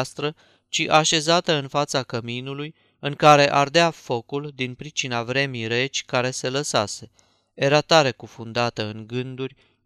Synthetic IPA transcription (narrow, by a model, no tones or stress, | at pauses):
st̪ɾə | t͡ʃiʔaʃe̞zat̪əɨnfat̪sakəminuluj | ɨŋkaɾe̞ʔard̪eafo̞kuld̪inpɾit͡ʃinavɾe̞mijɾe̞t͡ʃʲkaɾe̞se̞ləsa̰se̞ | eɾat̪aɾe̞kufund̪at̪əɨŋɡɨnd̪urʲ